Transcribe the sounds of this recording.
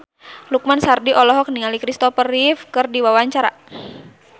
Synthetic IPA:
luk̚mansardiʔɔlɔɦɔk̚niŋalikɾist̪ɔpəɾifkɨrdiwawaɲt͡ʃaɾa̰

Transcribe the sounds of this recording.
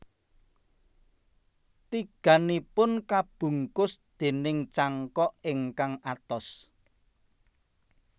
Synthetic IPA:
t̪iɡ̥ä̤nipʊnkab̥ṳŋkʊsd̪̥e̤nɪŋt͡ʃaŋkɔʔɪŋkaŋat̪ɔs

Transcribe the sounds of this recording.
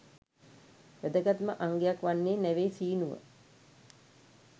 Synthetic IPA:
ʋæd̪əɡat̪məʔaŋɡejakʋanːeːnæʋeːsiːnuʋə̰

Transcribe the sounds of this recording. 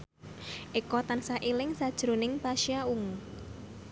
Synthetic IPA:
ʔekɔt̪ansaʔilɪŋsad̥ʒ̥ɾo̤nɪŋpaʃiauŋ

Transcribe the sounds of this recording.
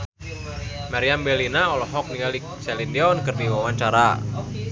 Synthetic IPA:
maɾiambɛlinaɔlɔɦɔk̚nialiksɛlindɛɔnkɨrdiwawaɲt͡ʃaɾa̰

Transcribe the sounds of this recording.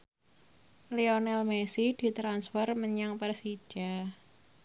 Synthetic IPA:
leonɛlmesid̪̥i̤t̪ɾansfɛrməɲaŋpɛrsi̥ʒ̥a

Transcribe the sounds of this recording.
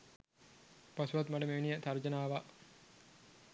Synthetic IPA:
pasuʋat̪maʈəmeʋnijət̪aɾd͡ʒənaːʋa

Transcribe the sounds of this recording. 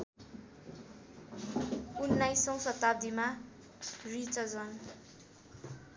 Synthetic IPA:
unːajsʌ̃wsʌt̪ːad̪ima | rit͡sʌd͡zʌn

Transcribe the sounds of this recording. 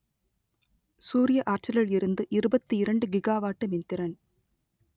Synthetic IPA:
suːɾɪjɐʔaːɾt͡ʃɐlɐɭɪɾɯnd̪ɯʔɪɾɯbɐt̪ːɯɪɾɐɳɖɯɡɪɡaːʋaːʈːɯmɪnt̪ɪɾɐn

